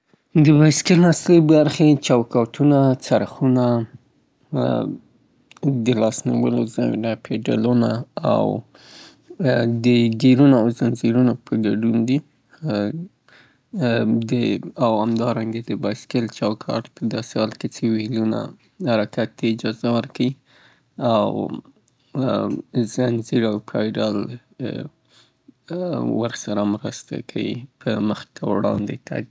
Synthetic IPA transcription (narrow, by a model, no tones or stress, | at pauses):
d̪əbɑjskɪlnasləbaɾxet͡ʃɑwkɑʈʰunat͡saɾaxuna | d̪əlɑsnḭwə̰lozɑj̰ɾapʰeɖa̰lunaa̰w | d̪əɡeɾunoawzanziɾunapʰəɡaɖund̪i | d̪əawhamd̪ɑɾaŋɡad̪əbaskɪlt͡ʃɑwkʰɑ̰ʈpəd̪ɑsehɑlket͡sewiluna̰ | haɾakat̪̚d̪aɪd͡ʒɑzawəɾkʰawi | aw | zanziɾawpʰɑjɖal | aɾxsaɾamɾast̪a̰kʰa̰wḭpʰəməxt̪ʰawɽɑ̰nd̪et̪ʰa̰d̪i